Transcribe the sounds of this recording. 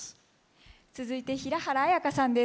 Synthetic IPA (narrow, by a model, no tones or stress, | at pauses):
t͡sɨzɨit̪e̞çiɾahaɾaːjakasãnd̪e